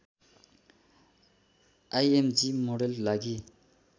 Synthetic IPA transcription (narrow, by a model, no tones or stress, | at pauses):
ajemd͡ʒimoɽellaɡi